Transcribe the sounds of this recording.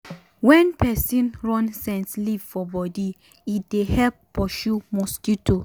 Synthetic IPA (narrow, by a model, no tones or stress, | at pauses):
wɛ̃npʰɛsĩnɹɔ̃nsɛ̃nslivfɔbɔdi | it̚dehɛlppːɔʃumɔstitʰu